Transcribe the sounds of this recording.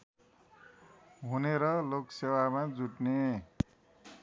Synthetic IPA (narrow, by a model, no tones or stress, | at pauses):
ɦuneɾʌloksewamad͡zuʈne